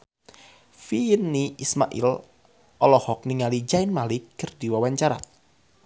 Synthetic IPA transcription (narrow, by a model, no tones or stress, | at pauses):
finːiʔisma̰ʔḭl | ʔɔlɔhɔk̚niŋalid͡ʒajnmalɪkːɨrdiwawaɲt͡ʃaɾa̰t̪̚